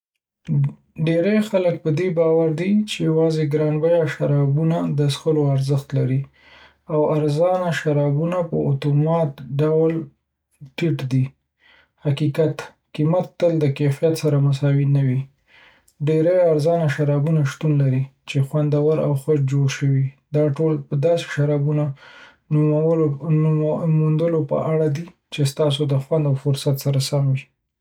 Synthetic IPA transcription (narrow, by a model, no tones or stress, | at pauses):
ɖeɾajxalək̚pəd̪ebɑwaɾd̪it͡ʃejawɑzeɡɾɑnbajaʃaɾɑbunad̪əsxəloaɾzəxt̪laɾi | awaɾzɑnaʃaɾɑbunapəʊt̪omɑt̪ɖawl | ʈiʈd̪i | hakikat̪ | kimat̪ːəld̪əkefijat̪saɾamʊs̬ɑwinawi | ɖeɾajaɾzɑnaʃaɾɑbunaʃt̪unlaɾit͡ʃexwand̪awaɾa̰wxad͡ʒd͡ʒoɽʃəwid̪ɑʈolpəd̪ɑse̥ʃaɾɑbuna | mund̪əlopə̰ʔaɽad̪i | t͡ʃest̪ɑs̬od̪əxwand̪awfʊɾsat̪saɾasamwi